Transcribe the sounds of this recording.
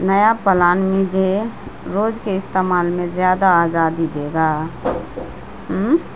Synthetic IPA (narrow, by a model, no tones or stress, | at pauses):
nəjapəlaːnmĩd͡ʒeɾoːd͡ʒkeɪst̪eːmaːlmẽzjaːd̪aːzaːd̪id̪eːɡaː | ɦ